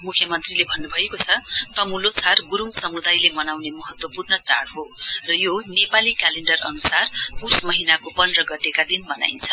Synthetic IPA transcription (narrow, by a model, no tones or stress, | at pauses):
mukʰjʌmʌnt̪rilebʱʌnːubʱʌekot͡sʰʌt̪ʌmulosarɡuɾumsʌmud̪ajlemʌnawnemʌɦʌt̪wʌpurnʌt͡sa̰ɽɦorʌjonepalikaleɳɖʌrʌ̰nusarpusmʌɦinakopʌnrʌɡʌt̪ekad̪inmʌna̰jnt͡sʰʌ̥